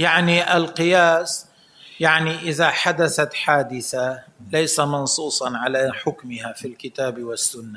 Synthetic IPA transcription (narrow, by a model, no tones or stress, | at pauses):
jaʕniʔalqɨjaːs | jaʕniʔɪðaħad̪aθat̪ħaːd̪ɪθalajsamɑnsˤuːsˤɑnʕalaħʊkmɪhafilkɪt̪aːbwɪsːʊnːa